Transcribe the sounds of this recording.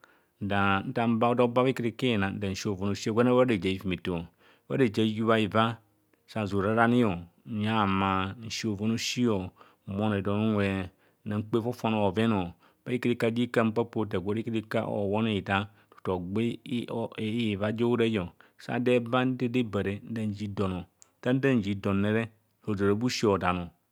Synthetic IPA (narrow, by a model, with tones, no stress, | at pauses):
n̩˨da˨n̩˦ta˨m̩˦ba˦o˦do˦ba˦a˦ki˦ɾi˦ke˦˨na˨n̩˦da˨n̩˨˦o˨vo˨no˨ʃi˦o˦˨ɡʷe˦na˦a˦de˨d͡ʒa˨i˨fi˨mi˨to˨ | ba˦e˨d͡ʒa˨˦ju˦βa˦i˨va˦ | sa˦˨zo˨ɾa˨˦ɾa˦ni˦jo˨ɲa˦˨ma˨n̩˨ʃi˦o˨vo˦no˦ʃi˦o˨ | mo˦n˨e˨do˨nu˦nʷe˨˦ | na˨ŋ̩˦k͡pe˦fo˦fo˦no˨o˨ve˦no˨ | ba˦i˦ke˦ɾe˦ka˦˨d͡ʒi˦ka˦m̩˦pa˦po˦ta˨ɡʷo˦ɾi˦ke˦ɾe˦ka̰˦ʔo̰˨wo˦ne˨i˨da˦ | tu̥˨to˨ɡ͡be˦˨˦ | va˦d͡ʒo˦wɾe˦jo˨sa̰˦de˦ba˦n˦de˦de˦bɛ˨ɾe˨n̩˦da˦n˨d͡ʒi˦do˨no˨ta˦n˦da˦n˨d͡ʒi˨do˨nːe˦ɾe˦ | o˨zo˨ɾa˨˦bu˦ʃi˦o˨da˨no˨